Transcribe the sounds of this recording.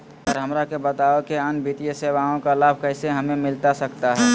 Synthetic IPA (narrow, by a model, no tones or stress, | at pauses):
ɔːɾɦəmɾakebət̪aokeənbʱit̪ijəseʋaõkalaːb̚ʱkəɪseɦəmẽmɪlt̪asəkt̪aɦɛː